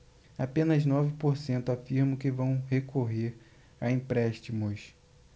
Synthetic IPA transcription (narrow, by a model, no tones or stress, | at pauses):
apẽnɐznɔvɪpoɾsẽnt̪ʊafiɾmɐ̃kɪvɐ̃w̃hekʰoɦeɾ | aĩpɾɛʃt͡ʃimʊs